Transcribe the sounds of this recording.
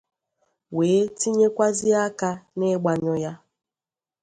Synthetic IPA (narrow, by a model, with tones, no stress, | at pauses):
weː˨˦ti˦ɲe˦kʷa˦zi˦a˦ka˦ne˦ɡ͡ba˨ɲɔ˦ja˦